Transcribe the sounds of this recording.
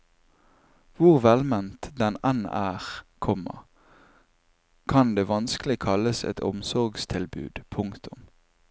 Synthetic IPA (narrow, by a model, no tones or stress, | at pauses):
ʋʊʁʋɛlmɛnt̪d̪ɛnɛnæːʁkʰɔmə̰ʁ | kʰɑnd̪eːʋɑnsklɪkʰɑləsɛ̰t̪ʰɔ̰msɔʁɡst̪ʰɪlbʉ̰ːd̪̥pʰʊŋkt̪ʰʊm